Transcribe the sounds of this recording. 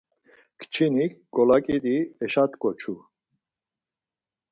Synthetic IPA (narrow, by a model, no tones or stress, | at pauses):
kʰt͡ʃʰinikɡɔlakʼiɾiɛʃat̪kʼɔt͡ʃʰu